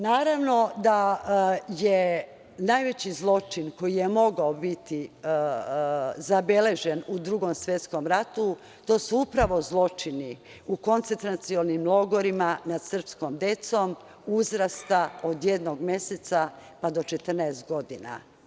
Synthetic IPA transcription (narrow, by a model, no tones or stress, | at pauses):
naːɾaʋno̞d̪a | je | najʋet͡ɕizlˠo̞t͡ʃinko̞jije̞mo̞ɡaobit̪i | zabe̞le̞ʒenud̪ɾuɡo̞msʋje̞t̪skomɾat̪u | t̪o̞ːsuupɾaʋo̞zlˠo̞t͡ʃini | uko̞nt̪ent̪ɾat̪siolnimlˠo̞ɡoɾimanad̪̥sr̩pskomd̪e̞t̪so̞m | uzɾast̪aod̪jed̪noɡmʲje̞set̪sapad̪o̞t͡ʃet̪r̩nɛest̪ɡo̞d̪ina̰